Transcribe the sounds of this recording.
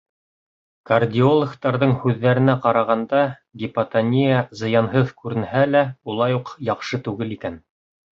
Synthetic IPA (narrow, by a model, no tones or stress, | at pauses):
kɐrdʲiolˠəkt̪ɑɾðɤɴhʉðːæɾɘ̆næqɑɾɑʁɑnd̪ɑ | ɡʲipat̪ɐnʲijazɤ̆jɑnɦɤðkʉɾɘ̆nhælæulˠɑjuqjɑqʃɤt̪ʉɡɘlikæn